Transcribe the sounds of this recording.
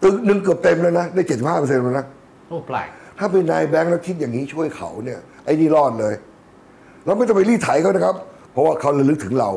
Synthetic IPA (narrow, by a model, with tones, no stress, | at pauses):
t̪ɯ˨˧k̚nɯ˧ŋk̬ɯ˨˩əp̚t̪e˧mlaː˦˧˥na˦˥daː˥˩jt͡ɕe˨˩t̪si˨˩phaː˥˩pːse˧na˧˩na˦˥˩ | pa˨˩t̪ʰaː˥˩pe˧nːaː˧jbɛ˦˥ŋɾa˧˩wkʰi˦˥t̪̚jaː˨˩ŋːi˦˥t͡ɕʰu˥˩əjkʰa̰˨˩wni˥˩ɐ | ʔa˧˩jniː˥˩lɔː˥˩t̪̚lɤː˧j | ɾa˧wma˧˩t̪ɔ˥˩pa˧liː˥˩t̪ʰa˩˦jkʰa˦˥˩na˦˥kʰa˦˥p̚pʰːɔ˧˦˥waː˥˩kʰa˦˥˩wla˧˩lɯ˦˥k̚t̪ʰɯ˩˦ŋɾa˧w